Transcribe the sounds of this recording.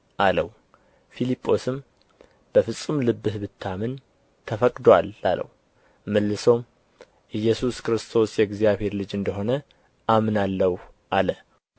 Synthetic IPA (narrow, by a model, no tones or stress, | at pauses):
ʔaləw | filipʼʰːo̞sɨm | b̥əfɨsʼːɨmlɨbːɨhbɨt̪ʰːamɨn | t̪ʰəfəkʼd̪walːa̰lə̰w | məlːɨsom | ʔɨjːɛsuskɾɨst̪ʰo̞sjɛɡzijaβhe̞ɾlɨd͡ʒɨnd̪əɦo̞nə | ʔamnalːəw | ʔalə